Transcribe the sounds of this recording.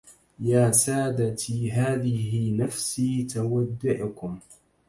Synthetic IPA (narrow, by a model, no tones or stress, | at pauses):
jaːsaːd̪at̪iːɦaːðɪɦɪnafsiːt̪awad̪ːʊʕkʊm